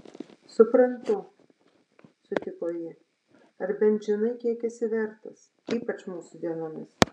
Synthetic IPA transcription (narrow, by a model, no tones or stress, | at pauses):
sʊpɾɐnt̪ʊ | sʊt̪ʲɪkoːjɪ | ɐɾbʲɛnʲd͡ʒʲɛnɐɪkʲiɛkʲɛsʲɪʋʲɛɾt̪ɐs | iːpɐt͡ʃmuːsʊd̪ʲiɛnoːmʲɪs